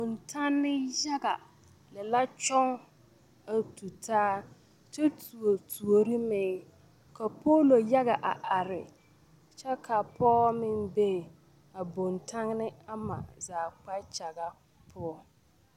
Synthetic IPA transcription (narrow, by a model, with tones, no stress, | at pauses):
bo˨ntʰa˦nːɪ˦ja˦ɡa˨ | lɪ˨la˦t͡ʃɔ˦ŋ | a˨tu˨tʰaː˦ | t͡ʃɛ˦tu˨o˨tʰu˨o˨ɾɪ˦mɪː˨ | ka˨pʰoː˦lo˨ja˦ɣa˨ʔa˨ʔa˨ɾɪ̰˨ | t͡ʃɛ˦kʰa˨pʰɔː˦mɪ˦mbe˦˨ | a˨bo˨ntʰa˦ŋnɪ˦a˦ma̰˨zaː˨k͡pa˦t͡ʃa˨ɡa˦ | pʰʊ˦ɔ˦